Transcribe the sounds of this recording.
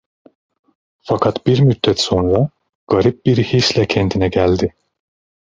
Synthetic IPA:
fakʰat̪biɾmyd̪ːɛt̪so̞nɾa | ɡ̥aɾip̚biɾhislɛcʰɛnd̪ʰinɛɟælʲd̪ɪ

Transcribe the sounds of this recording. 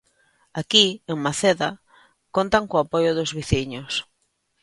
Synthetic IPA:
akieŋmaθeða | kont̪aŋkoapojʊðʊzβiθiɲʊs

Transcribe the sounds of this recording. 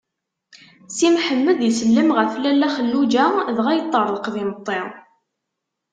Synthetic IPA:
simħəmːəðjəsəlːəmʁəflælːæχəlːud͡ʒæðʁæjət̪ˤːəɾˤðqðimət̪ˤːɪ

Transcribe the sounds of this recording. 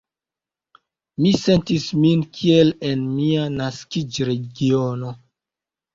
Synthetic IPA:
mise̞ntisminkʰielenmianaskid͡ʒɾe̞ɡiono̞

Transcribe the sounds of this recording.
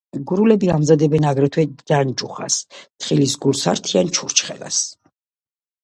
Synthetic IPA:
ɡuɾulɛbiamzad̪ɛbɛnaɡɾɛt̪ʰwɛd͡ʒand͡ʒuχa̰st̪ʰχilisɡulsaɾt̪ʰiant͡ʃʰuɾt͡ʃχɛla̰s

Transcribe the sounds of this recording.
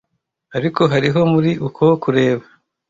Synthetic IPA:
aɾiko̞ɦaɾiɦo̞muɾiʔukʰokuɾe̞ːβa

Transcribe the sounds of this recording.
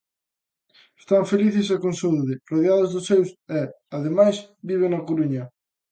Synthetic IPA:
e̥st̪aɱfeliθɪs̬akonsouðɪroðeaðʊzðʊsewsɛ | aðemajsbiβ̞eŋnɐkoɾuɲɐ

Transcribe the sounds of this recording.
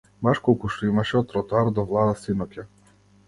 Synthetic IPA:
baʃkɔlˠkuʃt̪ɔimaʃɛɔt̪ɾɔt̪ɔaɾd̪ɔvlˠad̪asinɔkʲa

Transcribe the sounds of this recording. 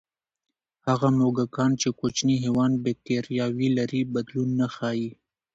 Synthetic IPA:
haɣamoɡakɑnt͡ʃekot͡ʃniɦewɑnbek̚ʈeɾijɑwilaɾibad̪lunːaxɑi

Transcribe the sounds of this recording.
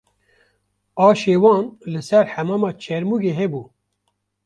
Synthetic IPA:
ɑːʃeːwɑːnlɨsɛɾħæmɑːmɑːt͡ʃʰɛɾmuːɡeːɦɛbuː

